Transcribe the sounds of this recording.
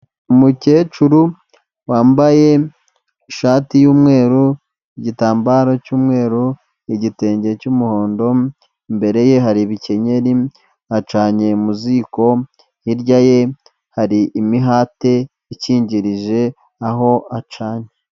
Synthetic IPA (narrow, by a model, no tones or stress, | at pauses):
umuceːt͡ʃuɾu | waːmbaje̞ | ʃaːtijuːmŋe̞ːɾu | iɟitaːmbaːɾo̞cuːmŋe̞ːɾu | iɟite̞ːɲɟecumuho̞ːndo̞ | mbe̞ɾe̞je̞ɦaɾiβice̞ɲe̞ɾi | at͡ʃaːɲe̞muziko̞ | iɾɟaje̞ | haɾiʔimiɦaːte̞ | iciːɲɟiɾiʒe̞ | aɦo̞at͡ʃaːɲe